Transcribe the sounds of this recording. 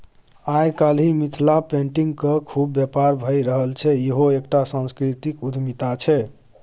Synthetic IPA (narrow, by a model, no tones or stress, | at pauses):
ajkal̤imit̪ʰlapeɳʈiŋɡkəkʰubːjɛpaɾbʱəjɾəɦəlt͡ʃʰɛjeɦoekʈasãnskɾit̪ikud̪ʱmit̪at͡ʃʰɛ